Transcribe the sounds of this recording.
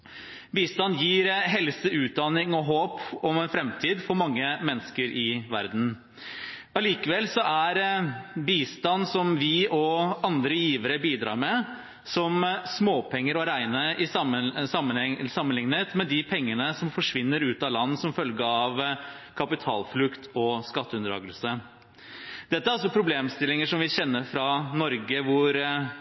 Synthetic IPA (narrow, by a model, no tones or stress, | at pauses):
biːst̪ɑnːjiːɾɦɛlsəʉːt̪̚d̪ɑnɪŋɔɦoːpɔmɛnfɾɛmt̪ʰiːd̪fɔɾmɑŋːəmɛnəskəɾʔɪʋæ̰ɾd̪n̩ | ɑliːkəʋɛlsɔʔæɾbiːst̪ɑnsɔmʋɪʔɔɑnd̪ɾəjiːʋəɾəbiːd̪ɾɑ̰ːɾmɛ | sɔmsmoːpʰɛŋːəɾɔɾæɪnəʔɪsɑməsɑmːənsɑmːənlɪŋnət̪mɛd̪ɪpʰɛŋːənəsɔmfɔʂʋɪnːəɾʉːt̪ɑlɑnːsɔmfœlɡəɑʋ | kʰɑpɪt̪ʰɑ̰ːlflʉkt̪ʰɔskɑt̪ːəʉnd̪əɾɑ̰ːɡəlsə | d̪̥ɛt̪ːəæɾɑls̬ɔpʰɾʊbleːmst̪ɪlɪŋəʂɔmʋɪçɛnːəɾfɾɑnɔɾɡəʋʊɾ